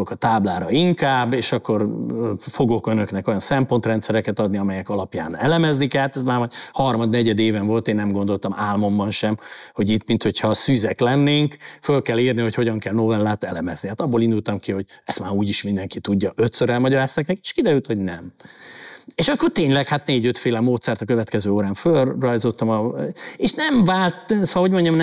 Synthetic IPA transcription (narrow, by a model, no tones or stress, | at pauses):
okɒt̪aːblaːɾɒiŋkaːbːeːʃɒkːo̞rfo̞ɡokønøknɛko̞jɒnsɛmpo̞nt̪rɛnt̪sɛɾɛkɛt̪ɒd̪niɒmɛjɛkɒlɒpja̰ːnɛlɛmɛznikɛlht̪ɛsmaːrmɒjhɒrmɒd̪nɛɟɛd̪eːvɛɱvo̞lt̪eːnːɛmɡond̪o̞lt̪ɒmaːlmo̞mbɒnʃɛmho̞ɟit̪mint̪ho̞cʰhɒsyːzɛklɛnːeːŋkfølkɛlːiːrniho̞cho̞ɟɒŋkɛlno̞vɛlːaːt̪ɛlɛmɛz̥nihaːt̪ɒbːolind̪ult̪ɒmkiɦo̞ɟɛst̪maːɾuːɟiʃmind̪ɛŋkit̪uɟːɒʔøt̪søɾɛlmɒɟɒɾaːst̪aːknɛke̥ʃkid̪ɛɾylt̪ho̞ɟnɛm | eːʃɒkːo̞rt̪eːɲlɛkhat̪neːɟøt̪feːlɛmoːt̪sɛrt̪ɒkøvɛt̪kɛzøːoːɾaːɱfølːɒjzo̞t̪ːɒmɒeːʃnɛɱvaːlt̪ɒo̞ɟmo̞ɲɟɒmnɛ